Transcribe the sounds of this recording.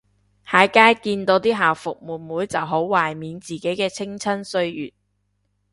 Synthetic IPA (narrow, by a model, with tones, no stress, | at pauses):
haː˨˧˥jkaː˥jkiː˧nt̪o˨˧wt̪iː˥ɦaː˨wfʊ˨k̚muː˨˩nmuː˨˥jt͡sɐ˨wɦo˨˥wwaː˨˩jmiː˨˧nt͡siː˨˩ke˨˥jkɛː˧t͡sʰɪ˥ŋt͡sʰɐ˥nsɵ˧ɥjyː˨t̚